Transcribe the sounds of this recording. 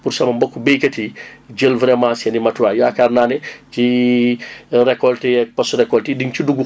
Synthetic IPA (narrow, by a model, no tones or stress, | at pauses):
pursɐmɐmbɔkːubejkɐtiɟəlvɾɛmãːsɛnimɐtuwajɔakaːrnaːnɛt͡ʃi | ɾɛkːɔltiɛk̚pɐsrɛkːɔltidiŋt͡ʃuduɡu